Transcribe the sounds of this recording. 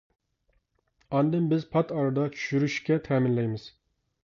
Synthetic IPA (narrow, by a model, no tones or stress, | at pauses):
ɑnd̪ɪmbɪzpʰɑt̪ɑɾɑd̪ɑt͡ʃʰy̥ʃyɾyʃkʲɛt̪ʰɛːmɪnlɛjmɪz̥